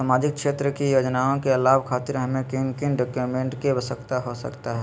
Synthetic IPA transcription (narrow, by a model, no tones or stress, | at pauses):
saːmaːd͡ʒɪk̚kʰʃeːt̪ɾəkijoːd͡ʒnaːõkeɐlaːbkʰaːt̪ɪɾɦɐmẽkɪnkɪnɖoːkjumẽːɳʈkeɐʋəsəkt̪aɦosə̰kt̪aɦɛː